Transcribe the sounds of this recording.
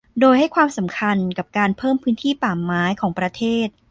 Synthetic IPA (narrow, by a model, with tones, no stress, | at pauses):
doː˧jha˥˩jkʰwaː˧msa˩˦mkʰa˧nka˨˩p̚kaː˧npʰɤː˥˩mpʰɯː˦˥nt̪ʰiː˥˩paː˨˩mːaː˨˦˥jkʰɔː˩˦ŋpɾa˧t̪ʰeː˥˩t̪̚